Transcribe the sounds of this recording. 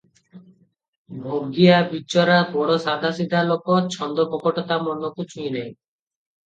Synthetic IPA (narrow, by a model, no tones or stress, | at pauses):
bʱoɡiabit͡ʃɔɾabɔɽɔsad̪ʱasid̪ʱalokɔt͡ʃʰɔnd̪ɔpɔkɔʈɔt̪amɔnɔkut͡ʃʰujnaj